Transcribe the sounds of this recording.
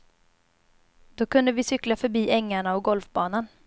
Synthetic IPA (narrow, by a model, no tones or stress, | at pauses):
d̪̥ɔkɵnd̪əvɪsʏklafœɾbiːʔɛŋːaɳaɔɡɔlfbɑːnan